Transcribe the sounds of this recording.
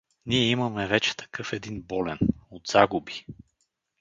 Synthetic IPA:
niɛimɐmɛvɛt͡ʃɛ̥t̪ɐ̥kɤfɛd̪inbɔlɛnod̪z̥aɡubi̥

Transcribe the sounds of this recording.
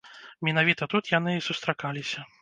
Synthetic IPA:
mʲɛnavʲit̪ɐt̪ut̪jan̪ɨsust̪ɾakalʲisʲɐ

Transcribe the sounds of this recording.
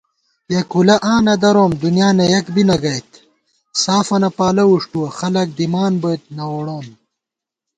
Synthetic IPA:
bjɐkulɐʔãːnɐd̪ɐɾoːmd̪unjaːnɐjɐkbinɐɡɐjt̪ | saːfɐnɐpaːlɐwuʂʈuwɐxɐlɐk̚d̪imaːnbot̪̚nɐwoɽoːm

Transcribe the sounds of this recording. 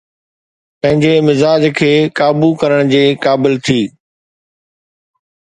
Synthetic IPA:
pɐ̃ɦɪ̃ɲd͡ʑemɪzaːd͡ʑkʰeːkaːbukɐɾəɽ̃d͡ʑeːkaːbɪlt̪ʰiː

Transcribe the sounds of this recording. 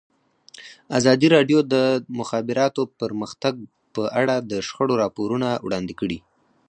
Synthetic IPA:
azɑd̪iɾɑɖjod̪əmʊxɑbɪɾɑt̪opəɾməxt̪aɡ̚ | pəʔaɽad̪əʃxəɽoɾɑpoɾunawɽɑnd̪ɪkəɽi

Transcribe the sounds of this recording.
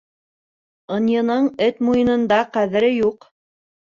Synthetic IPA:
ɤ̆njɤ̆nɤɴɘt̪mujɤ̆nɤ̆nd̪ɑqæðɘ̆ɾɘjuq

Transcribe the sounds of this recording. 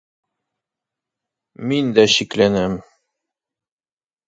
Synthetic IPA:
mind̪æɕiklænæm

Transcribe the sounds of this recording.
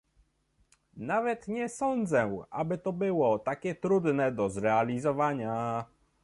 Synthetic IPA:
navɛt̪ɲɛsɔnd̪zɛʔa̰bɘt̪ɔbɘwɔt̪akʲɛt̪ɾud̪nɛd̪ɔzɾɛalʲizɔvaɲa

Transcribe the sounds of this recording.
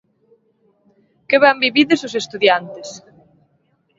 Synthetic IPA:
kɪβambiβiðesosest̪uðjant̪ɪs

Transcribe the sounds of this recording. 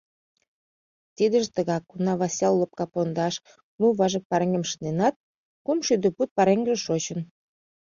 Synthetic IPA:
t̪id̪ə̆ʒt̪əɣɑkːunɑβɑsʲɑlːəp̚kɑpond̪ɑʃ | muβɑʒək̚pɑɾəŋemʃənenɑt̪̚ | kumʃyd̪əput̪̚pɑɾeŋɡʒeʃot͡ɕən

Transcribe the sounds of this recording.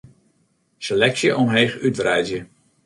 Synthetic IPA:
selɛksjəʔɔmɦeːχytvrɛjzjə

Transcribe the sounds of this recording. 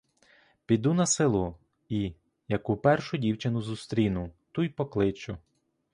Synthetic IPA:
pʲid̪unɐsɪlˠʊ | i | jɐkupɛrʃʊdʲiwt͡ʃɪnʊzust̪ɾʲinʊt̪ujpɔklˠɪt͡ʃʊ

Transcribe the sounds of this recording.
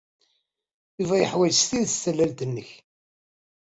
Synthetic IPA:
ivæjəħwæjst̪iðsəlːælt̪ənːəç

